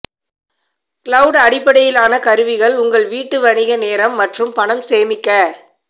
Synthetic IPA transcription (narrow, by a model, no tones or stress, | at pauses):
kɪɭɐʊɽɐɽɪpːɐɽɐjɪlaːnɐkɐɾɯʋɪɣɐɭʊŋɡɐɭʋiːʈːɯʋɐɳɪɣɐneːɾɐmːɐʈrɯmpɐɳɐmseːmɪkːɐ